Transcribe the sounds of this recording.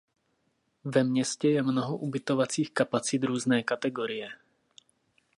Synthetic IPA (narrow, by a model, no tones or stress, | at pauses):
vɛmɲɛscɛjɛmnoɦoʔubɪt̪ovat͡siːxkapat͡sɪd̪ɾuːznɛːkat̪ɛɡoɾɪjɛ